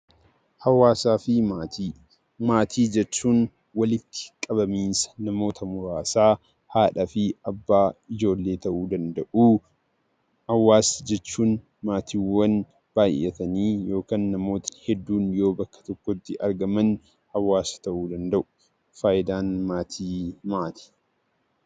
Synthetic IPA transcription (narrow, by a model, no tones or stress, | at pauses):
hɐwaːsaːfɪmat̪i | maːt̪ʰiːd͡ʒɛt͡ʃːuːn | wɐlɪt̪ːɪ̥kʼɐbɐmiːnsɐ̥nɐmo̞ːt̪ɐmʊɾaːsaː | haːᶑɐfɪɐbːaːɪd͡ʒo̞ːlːeːt̪ɐʔuːd̪ɐnd̪ɐʔuː | hɐwːaːsd͡ʒɛt͡ʃːuːn | maːt̪iːwɐn | b̥aːjʔɛ̰t̪ɐniːjo̞ːkaːnːɐmo̞ːt̪ɐ̥hɛd̪ːuːnjo̞ːbɐkːɐ̥t̪ɔkːɔt̪ːɪʔɐɾɡɐmɐn | hɐwːaːsɐ̥t̪ɐʔuːd̪ɐnd̪ɐʔʊ̥ | faːʔɪd̪aːnmaːt̪ʰiːmaːt̪i̥ː